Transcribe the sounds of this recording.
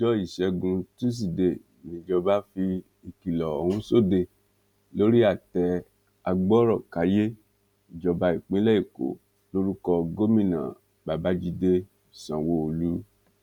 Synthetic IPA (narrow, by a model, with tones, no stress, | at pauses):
d͡ʒɔ˦i˦˨ʃɛ˧ɡũ˧tu˦s̬i˨de˨ | nĩ˨d͡ʒɔ˧ba˦fi˧ | i˨ki˨lɔ˨ɔ˨hũ˦so˦˨de˧˨ | lo˦ɾi˦a˦˨tɛ˧ | a˧ɡ͡bɔ˦ɾɔ˦˨ka˨˦je˦ | i˨d͡ʒɔ˧ba˧˦i˦˨k͡pĩ˦lɛ˦i˦˨ko̰˨ | lo˦ɾu˦kɔ˧ɡo˦mĩ˦˨nã̰˨ | ba˨ba˨˦d͡ʒi˧de˧˨ | sã˨wo˧˦o˨lĩ˨˦